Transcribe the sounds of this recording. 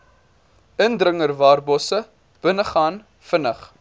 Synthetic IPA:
əndrəŋərvɑːrbɔsə | b̥ənəχɑːn | fənəχ

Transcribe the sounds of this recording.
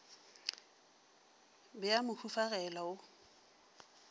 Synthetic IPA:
bɪamʊkʰufaɣɛlaʊ

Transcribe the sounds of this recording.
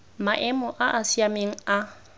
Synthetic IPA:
maʔɛmʊʔaʔasiameŋ̩a

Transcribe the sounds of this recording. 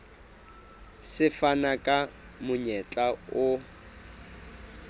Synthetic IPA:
sɪfanakʼa | mʊɲɛt͡ɬʼaʊ

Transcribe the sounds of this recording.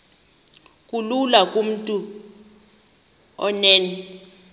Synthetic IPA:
kʼululakʼum̩tʼu | ɔ̰nɛːnɛ

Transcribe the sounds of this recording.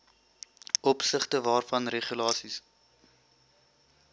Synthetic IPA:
ʔɔpsəχtəvɑːrfɐnreχjylɑːsis

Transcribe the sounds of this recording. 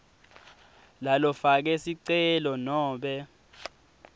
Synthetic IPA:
lalɔfak̬ɛsiǀɛlɔnɔːɓɛ

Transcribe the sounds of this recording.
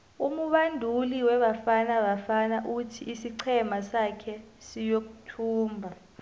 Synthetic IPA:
umuɓandʱuliwɛɓafanaɓafanaʔutʰiʔisiǀʰɛmasakʰɛsijok̬u̥tʰuːmbʱa

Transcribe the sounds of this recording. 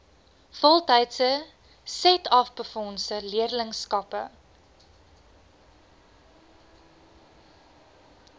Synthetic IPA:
fɔlˠtəjtsə | sɛtɐfbəfɔnsəliərləŋskɐpə̰

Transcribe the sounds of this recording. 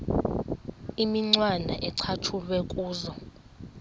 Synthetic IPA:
imiŋ͡ǀwandʱa̰ʔɛǀʰatʰulwɛkʼuːzɔ

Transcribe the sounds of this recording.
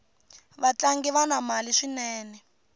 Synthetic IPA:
βat͡ɬaŋɡiβanamaliʂinɛːnɛ

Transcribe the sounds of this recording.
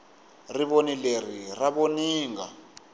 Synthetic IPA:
riβonileriraβoniːŋɡa̰

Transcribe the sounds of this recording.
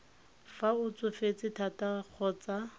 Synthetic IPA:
faʊt͡sʊfet͡sʼɪtʰatak͡xʰɔːt͡sa

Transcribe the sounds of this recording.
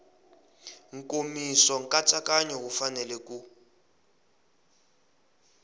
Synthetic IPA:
ŋ̩kʼomisɔŋ̩kʼat͡sʼakʼaɲɔkufanɛlɛkʼu

